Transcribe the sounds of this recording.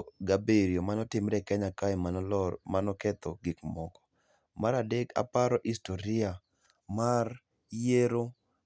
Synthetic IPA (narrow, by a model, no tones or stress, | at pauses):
ɡabeɾiomanɔtɪmɾɛkɛɲakaɪmanɔlɔmanɔkɛt̪ɔɡɪkmɔkɔ̥ | maɾadeɡa̰paɾɔʔistoɾɪa | mar | jeɾo